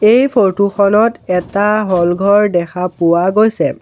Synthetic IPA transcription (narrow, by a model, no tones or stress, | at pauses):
ejpʰoɹtuxɔnɔtɛtaɦɔlɡʱɔɹdɛxʰapʊwaɡojsɛ